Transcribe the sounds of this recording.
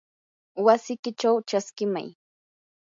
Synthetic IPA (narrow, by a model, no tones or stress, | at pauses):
wasɪkɪt͡ʃawt͡ʃaskɪma̰j